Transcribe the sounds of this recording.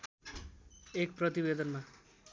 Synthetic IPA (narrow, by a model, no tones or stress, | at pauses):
ek̚prʌt̪ibed̪ʌnma